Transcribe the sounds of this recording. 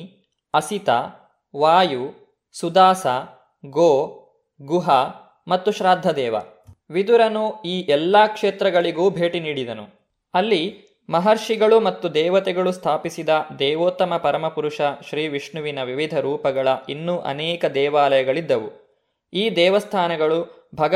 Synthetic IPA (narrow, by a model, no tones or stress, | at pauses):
ɐsit̪ɐ | ʋaːju | sud̪aːsɐ | ɡoː | ɡuɦɐ | mɐt̪ːuʃɾaːd̪ʱːɐd̪ɛːʋɐ̰ | ʋid̪uɾɐnuiːʔɛlːakʂeːt̪ɾɐɡɐɭiɡuːbʱe̞ːʈiniːɽid̪ɐnṵ | ɐlːi | mɐɦɐɾʂiɡɐɭumɐt̪ːud̪ɛːʋɐt̪ɛɡɐɭust̪ʰaːpisid̪ɐd̪ɛːʋoːt̪ɐmɐpɐɾɐmɐpuɾuʂɐʃɾiːʋiʂɳuʋinɐʋiʋid̪ʱɐɾuːpɐɡɐɭɐʔinːuʔɐ̰nɛːkɐd̪ɛːʋaːlɐjɐɡɐɭid̪ːɐʋu | iːd̪ɛːʋɐst̪ʰaːnɐɡɐɭu | bʱɐɡɐ